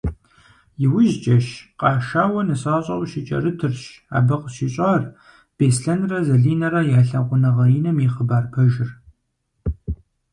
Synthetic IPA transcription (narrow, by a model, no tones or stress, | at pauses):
jɪwʊʒt͡ʃʼɐʃqʼɑːʃaːwɐnɨsaːɕʼɐwʷʼʃɪt͡ʃʼɐ̰rɨtʰɨrɕa̰ːbɐqəɕiɕʼaːr | b̥eːsɬɐnrɐzɐɮiːnɐɾɐjaːɬɐʁʷʊnɐʁɐinɐmiχəbaːrpʰɐʒɪr